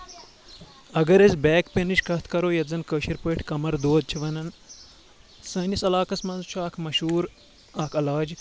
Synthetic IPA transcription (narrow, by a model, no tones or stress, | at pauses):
ɐɡɐɾɐzbɛːkpenɨʃkɐt̪ʰkɐɾoːjɐt̪zɐnkəːʃiɾpəːʈʰʲkɐmɐɾd̪oːd̪̚t͡ʃʰiʋɐnɐn | sɐːnisɐlaːkɐsmɐnzt͡ʃʰuaːkʰmɐʃuːɾ | aːkʰɐlaːd͡ʒ